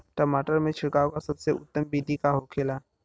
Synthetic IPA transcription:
ʈəmaːʈəɾmẽt͡ʃʰɪɽkaːokasɐbseʊ̰t̪ːəmbiːd̪ʱikaɦokʰeːlaː

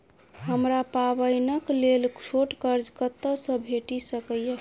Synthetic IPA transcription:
ɦəmɾapabəjnəklelt͡ʃʰoʈkəɾd͡ʒkət̪ːəsə̃bʱeʈisəkəje

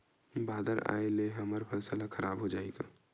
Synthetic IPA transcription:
baːd̪əɾa̰ːeleɦɐməɾpʰəlsəlakʰəɾaːbɦod͡ʒaːeɡaː

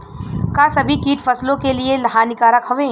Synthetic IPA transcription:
kaːsɐbʱikiːʈfɐslõkelielɐɦaːnɪkaːɾəkɦoʋẽː

